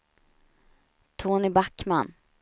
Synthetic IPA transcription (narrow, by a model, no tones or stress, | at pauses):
t̪ʰoːnɪbakːman